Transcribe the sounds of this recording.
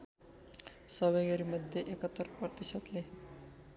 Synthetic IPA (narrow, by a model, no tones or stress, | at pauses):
sɔbajɡeɾmod̪ʱjeʔekɔt̪ːɔɾpɔt̪iʃɔt̪le